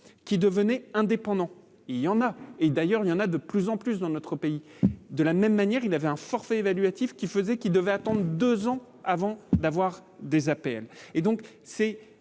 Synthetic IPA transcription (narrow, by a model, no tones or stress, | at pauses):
kʲid̪əvənɛɛ̃d̪epɑ̃d̪ɑ̃ | iljɑ̃naed̪ajœʁiljɑ̃nad̪əplyzɑ̃plys̬d̪ɑ̃nɔt̪χəpei | d̪əlamɛmːanjɛʁilavɛɛ̃fɔʁfɛevalɥat̪ifkʲifəzɛkid̪əvɛat̪ɑ̃d̪ʁəd̪əzɑ̃ | avɑ̃d̪avwaʁd̪ezapɛled̪ɔ̃k | sɛ